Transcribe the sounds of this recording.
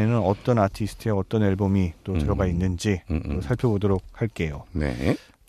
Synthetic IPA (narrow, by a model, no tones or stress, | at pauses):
enɯnʌt͈ʌnatʰisʰɯ̥tʰɯeʌt͈ʌneɭbomit͈otɯɾʌɡainːɯnd͡ʑiosʰaɭpʰjobodʌɾok̚haɭk͈e̞jonḛ